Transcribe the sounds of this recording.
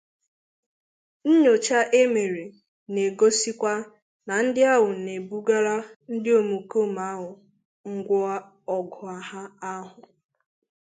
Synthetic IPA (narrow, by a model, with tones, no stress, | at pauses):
n̩˦ɲo˨t͡ʃa˦ʔe˦me˨ɾe˨ | ne˨ɡo˦si˦kʷa˦ | na˨n̩˦dɪ˦a˦ɦʊ˨ne˨bu˦ɡa˦ɾa˦n̩˦dɪ˦o˨mu˨ko˦ma˦ɦʊ˨ | ŋ̩˦ɡʷʊ˦a˦ | ɔ˨ɡɔ˨a˨ha˦a˦ɦʊ˨